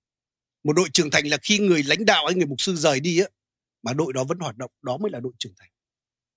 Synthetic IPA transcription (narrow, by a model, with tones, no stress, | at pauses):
mo˨˩t̚ɗo̰˧˨jt͡ɕɨ˨˩əŋt̪ʰa˨˩ŋ̟laː˨˩xi˧ŋɨ˨˩əjla̰˧˨˦jŋ̟ɗa̰ː˧˨wha˧jŋɨ˨˩əjmʊ˨˩k͡p̚sɨ˧zəː˨˩jɗi˧aː˨˦ | maː˨˩ɗo̰˧˨jɗɔ˨˦və̰˧˥nhwaː˨˩t̚ɗə̰˧˨wŋ͡mɗɔ˨˦məː˨˦jlaː˨˩ɗo̰˧˨jt͡ɕɨ˨˩əŋt̪ʰa˨˩ŋ̟